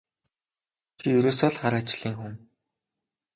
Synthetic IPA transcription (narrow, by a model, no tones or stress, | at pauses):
xʰijɵɾoːsɔɮχaɾaːt͡ɕɮiːŋxɵm